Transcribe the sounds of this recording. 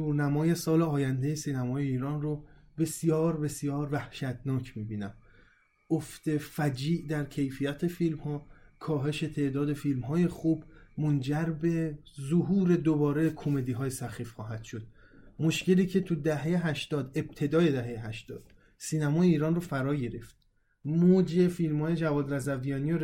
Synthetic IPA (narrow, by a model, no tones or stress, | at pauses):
unæmɒːje̞sɒːleɒːjænd̪e̞jesiːnæmɒːje̞iːɾɒːnrobe̞sjɒːɾbe̞sjɒːɾvæhʃæt̪nɒːcʰmiːbiːnæm | oft̪e̞fæd͡ʒiːʔd̪æɾcʰe̞jfijæt̪ʰefilmhɒːkʰɒːɦe̞ʃe̞t̪ʰe̞ʔd̪ɒːd̪e̞filmɦɒːje̞xuːbmond͡ʒæɾbe̞ | zoɦuːɾe̞d̪obɒːɾe̞kʰo̞me̞d̪iːɦɒːjesæxiːfxɒːɦæd̪̥ʃod̪̥̚ | moʃce̞liːcʰe̞t̪ʰud̪æɦejeɦæʃt̪ɒːd̪e̞b̥̚t̪ʰe̞d̪ɒːje̞d̪æɦe̞jeɦæʃt̪ɒːd̪̥ | siːnæmɒːjeiːɾɒːnrofæɾɒːɟe̞ɾe̞ft̪ | mod͡ʒe̞filmhɒːje̞d͡ʒævɒːd̪ɾæzævijɒːnijo